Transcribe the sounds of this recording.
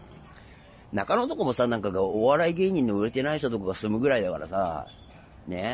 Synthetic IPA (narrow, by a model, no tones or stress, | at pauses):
nakano̞t̪o̞ko̞mo̞sanãŋkaɡaoβaɾaiɡe̞ːɲ̟ĩnːoɯ̟ɾet̪e̞naiçt̪ot̪o̞koɡasɨmɯ̟ɡɯ̟ɾaid̪akaɾa̰sa̰ | ne̞